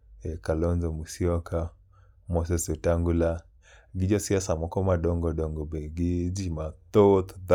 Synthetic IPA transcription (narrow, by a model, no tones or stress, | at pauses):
ɛkalɔnzɔmusiɔka | mɔsɛsɔtaŋɡula | ɡid͡ʒɔsiasamɔkɔmaɗɔŋɡɔdɔŋɡɔbɛɡid͡ʒimat̪ɔt̪d